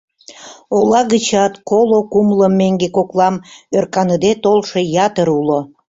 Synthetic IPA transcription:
olɑɣət͡ɕɑt̪kolokumləmːeŋɡekoklɑmørkɑnəd̪et̪olʃejɑt̪əɾulo

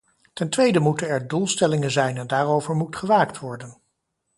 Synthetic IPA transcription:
tɛntʋejdəmutənɛɹdulˠstɛlɪŋənzɛjnɛndaːrowvəɹmutχəʋaːktʋɔɹdən

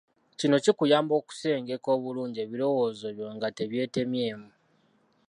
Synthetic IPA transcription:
cino̞cikujaːmbo̞ːku̥se̞ːŋɡe̞ko̞ːβuluːɲɟie̞βiɾo̞wo̞ːzo̞βjoːŋɡate̞βje̞ːte̞mje̞ːmu

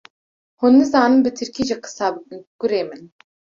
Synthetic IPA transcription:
hunːɨzɑːnɨmbɨt̪ʰɨɾkʰʲiʒiqʰɨ̥sɑːɡ̥uɾeːmɨn

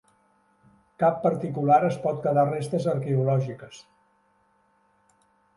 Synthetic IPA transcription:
kapːəɾt̪ikulaɾəspɔt̪̚kəðarest̪əzəɾkeulɔʒikəs

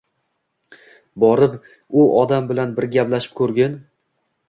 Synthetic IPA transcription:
bɒɾɪp | ʊʔɒd̪ambɪlanbɪɾɡʲaplaʃɪ̥p̚kʰɵɾɡʲan

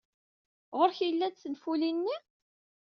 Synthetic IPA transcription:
ʁoɾçjəlːæd̪θənfulinːi

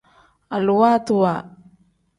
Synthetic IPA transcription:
aluwat̪ua

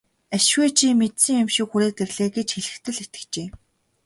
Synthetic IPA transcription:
aʃweːt͡ɕʰimːet̪sɘ̆ŋjʊmʃɪ̆kxuɾeːk̚t̪erɮeːɡet͡ɕxeɮɘ̆xt̪ʰɘ̆ɮet̪ɘ̥̆kt͡ɕeː

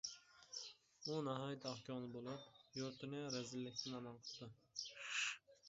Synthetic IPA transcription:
unɑɦɑjit̪ʰɑhkʲʰɑmlˠɨbolˠupjoɾt̪ʰɪnɪɾɛzɪlːɪkʲt̪ʰɪnɑmɑnqʰə̥ld̪ɨ

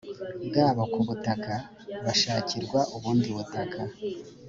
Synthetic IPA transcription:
ɡaːβakuβutaka | βaʃaːciɾɡwaʔuβuːndiβutakʰa

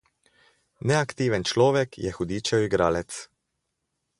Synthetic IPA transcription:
nɛakt̪iːʋɛnt͡ʃlɔːʋɛkʰjɛ̰xud̪iːt͡ʃɛiɡɾaːlɛt̪s

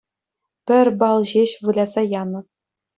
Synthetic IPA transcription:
pʲɘ̆rʲbɑlˠʑeɕʋɯlʲɑzɑjɑnɤ̆p̚

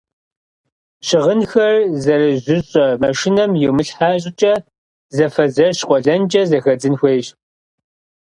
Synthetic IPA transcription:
ɕɪʁənxɐrzɐrɨʑʷʊɕʼɐmɐʃɪnɐmjɛmɨɬħaːɕʼɪt͡ʃʼɐ | zɐfɐzɐɕqʷʼɔɮɐnt͡ʃʼɐzɐxɐd͡zɨnxʷeːɕ

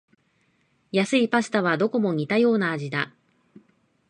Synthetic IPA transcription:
jasɨipas̬ɨ̥t̪aβad̪o̞ko̞mo̞ɲ̟it̪ajo̞ːnaːʑid̪a

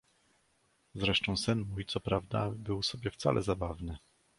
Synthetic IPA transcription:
zɾɛʂt̪ɔ̃w̃sɘnmujt̪sɔpɾavd̪a̰bɘwsɔbʲjɛft̪sa̰lʔɛzabavnɘ

